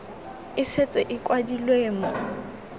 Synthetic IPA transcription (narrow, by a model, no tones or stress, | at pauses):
ɪset͡sʼɛʔɪkʼwadilweːmɔ